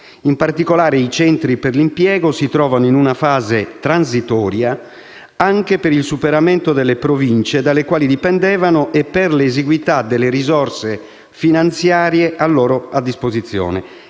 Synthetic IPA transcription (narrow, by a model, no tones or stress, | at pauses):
impart̪ikolaːɾeit͡ʃɛnt̪ɾiperlimpjɛːɡosit̪ɾɔːvanoinunafaːzet̪ɾansit̪ɔːɾja | aŋkepeɾilsupeɾamɛnt̪od̪ɛlːepɾovint͡ʃed̪alːekwaːlid̪ipɛnd̪ɛːvanoʔɛpːerleːziɡwit̪ad̪elːeɾizɔrse | finant̪sjaːɾjeʔalːɔːɾoad̪ːispozit̪sːjɔ̰ːnɛ̰